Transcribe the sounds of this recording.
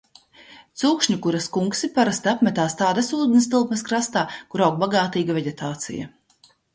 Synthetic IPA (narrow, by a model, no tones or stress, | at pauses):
t̪suːkʃɲukuɾaskuŋksipaɾast̪ʲapmʲɛt̪aːst̪aːd̪asuːd̪nst̪ɨlˠkmɐskɾast̪aːkuɾawɡ̚baɡaːt̪iːɡavʲeɟʲet̪aːt̪sḭja̰